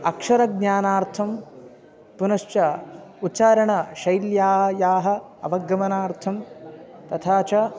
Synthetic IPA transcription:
ɐkʂɐɾɐɡnaːnaːɾt̪ʰɐm | punɐʃt͡ʃɐut͡ʃaːɾɐɳɐʃɐjljaːɦɐjaːɦɐ̆ | ɐʋɐɡːɐmɐnaːɾt̪ʰɐmt̪ɐt̪ʰaːt͡ʃɐ

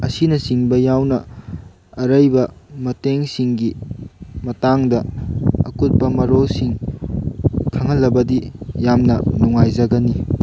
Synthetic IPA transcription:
ɐsinɐsiŋbɐjawnɐ | ɐɾɐjbɐmɐteŋsiŋɡi | mɐtaŋdɐɐ̰kut̚pɐmɐɾosiŋ | kʰɐŋɦɐlːɐbɐdijamnɐnuŋajzɐɡɐni

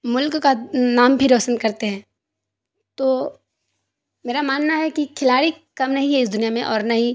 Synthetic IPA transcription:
mʊlkːanaːmbʱiɾɔːsənkɐɾt̪eɦɛ̃ː | t̪oː | meːɾamaːnːaɦɛkikʰɪlaːɽi | kɐmnɐɦĩɦɛɪsd̪ʊnijamẽʔɔːɾnɐɦĩ

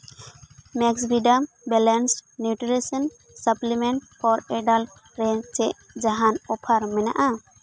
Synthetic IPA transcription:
mɛksɾiɖam | bɛlansʈnjuʈɾisən | səplimɛɳʈpʰɔɾɛɖalf̚ | ɾent͡ʃɛʔ | d͡ʒaɦanɔpʰaɾmɛna̰ʔa

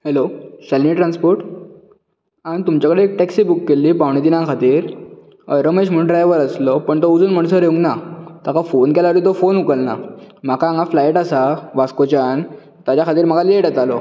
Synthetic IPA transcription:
helosɛlniʈɾãnspoɾʈ | aɽit̪umt͡ɕjakəɽeːk̚ʈɛksiːbukːelːiːpaʋɳ̃it̪inãkʰat̪iːɾ | ə̰jɾəməɕ̬m̤əɳʈɾajeʋəɾəslɔpəɳt̪oud͡zuːnm̤əɳsəɾeʋuŋɡnat̪akafonkɛlaɾit̪̬ofonukəlna̰makãːŋɡaflajʈasaʋaskot͡ɕan | t̪at͡ɕjakʰat̪iːɾm̤əkaleʈət̪alɔ

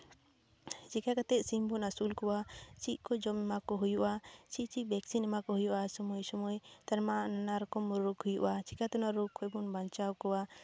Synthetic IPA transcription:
d͡ʒikakat̪ɛʔ̪̚simbɔnasulkɔwat͡ʃiʔ̪̚ˀkɔd͡ʒɔmɛmakɔɦujuʔat͡ʃit͡ʃibɛksinɛmakɔɦujuʔasɔmujsɔmujt̪aɾmananaɾɔkɔmɾɾukhujuʔat͡ʃikat̪ɔnaɾukʰɔjbɔnbaɲt͡ʃawkɔwa

